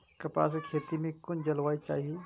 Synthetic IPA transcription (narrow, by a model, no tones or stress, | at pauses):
kɐpa̰ːs̬ekʰeːt̪imẽkʊnd͡ʒɐlʋaːit͡ʃa̰ːɦie